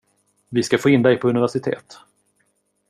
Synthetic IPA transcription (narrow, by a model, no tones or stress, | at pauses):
vɪskafoːɪnd̪ɛɪpʰɔɵnɪvæʂɪt̪ʰḛːt̪